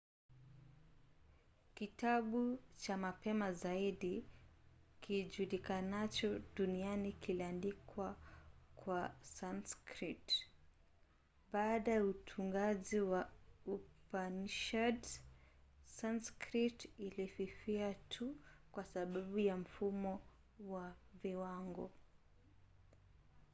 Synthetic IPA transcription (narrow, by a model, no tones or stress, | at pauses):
kitaɓut͡ʃamapɛmazaiɗi | kiʄulikanat͡ʃɔɗunianikiliandikwakwasanskɾit | ɓaːɗajautʰuŋɡaziwaupanʃad | sanskɾitilififiatʰukwasaɓaɓujam̩fumɔ | waviwaŋɡɔ